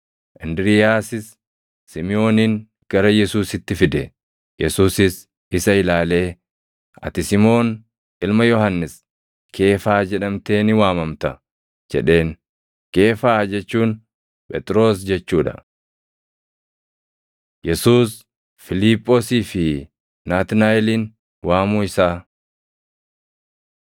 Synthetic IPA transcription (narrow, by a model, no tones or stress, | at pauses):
ʔɪnd̪ɪɾɪjaːsɪsː | ɪmɪo̞ːniŋ | ɡ̥ɐɾɐjɛsuːsɪt̪ːɪfɪd̪ɛ | jɛsuːsɪs | ɪsɐɪlaːle̞ː | ʔɐ̰t̪ɪsɪmo̞ːn | ʔɪlmɐjɔhɐnːɪs | kʰe̞ːfaːd͡ʒɛᶑɐmt̪e̞ːnɪwaːmɐmt̪ɐ | d͡ʒɛ̰ᶑe̞ːn | ke̞ːfaːd͡ʒɛt͡ʃːuːn | pʼɛt̪ʼɾo̞ːs̬d͡ʒɛt͡ʃːuːᶑɐ̰ | jɛsuːs | fɪliːpʼːoːsiːfɪ | naːt̪ɪnaːjɛliːn | waːmuːɪsaː